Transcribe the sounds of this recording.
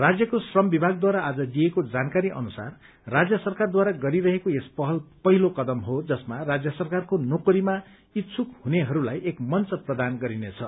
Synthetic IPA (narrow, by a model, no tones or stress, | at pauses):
rad͡zjʌkosrʌmbibʱaɡd̪waɾaːd͡zʌd̪ijekod͡zankaɾiʔʌ̰nusa̰r | rad͡zjʌsʌrkard̪waɾaɡʌɾiɾʌɦekoespʌɦʌlpʌɦilokʌd̪ʌmɦod͡zʌsmarad͡zjʌsʌrkarkonokoɾima | it̪t͡sʰukhuneɦʌɾulajʔekmʌnt͡sʌprʌd̪anɡʌɾinet͡sʰʌ